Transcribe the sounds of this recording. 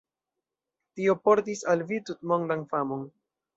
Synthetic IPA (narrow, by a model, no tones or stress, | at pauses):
tiopo̞ɾtisalvitutmoŋdaŋfamon